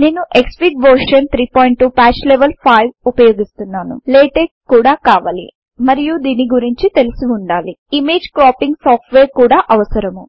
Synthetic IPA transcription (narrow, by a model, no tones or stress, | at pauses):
neːnuʔekspikʋɐɾʂɐnt̪ʰɾiːpoːjɳʈʈːuːpaːt͡ʃleʋɐlpʰajʋupɐjo̞ːɡist̪unːaːnṵleːʈe | kuːɽaːkaːʋaːlḭ | mɐɾijud̪iːniɡuɾiɲt͡ʃit̪e̞lusuuɳɖaːliimeːd͡ʒkɾaːpiŋɡsaːpʈʋeːɾkuːɽaːʔɐʋɐsɐɾɐmu